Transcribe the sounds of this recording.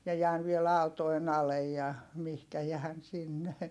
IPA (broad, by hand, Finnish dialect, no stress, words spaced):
mie jæːn ʋiel ɑˑu̞toen ɑlej jɑ mihkæ jæːn sinːe